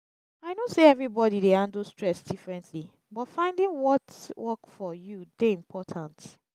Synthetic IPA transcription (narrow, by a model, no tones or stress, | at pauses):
aɪnõseɛvɹibɔdideãndlstɹɛsdifɹɛ̃ntʰli | bɔtfãɪ̃ndɪ̃ŋwɔtwɔkfɔjudeĩmpʰɔtʰãnt